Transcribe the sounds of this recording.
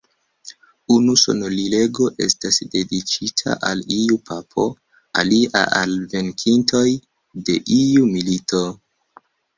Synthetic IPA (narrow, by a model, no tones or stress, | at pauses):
unuso̞̰nolile̞ɡo̞ʔe̞̰stasde̞dit͡ʃitʰa̰ʔaliupapʰo̞̰ | a̰liʔa̰ʔalve̞nkʰintʰo̞j | de̞ʔiumilito̞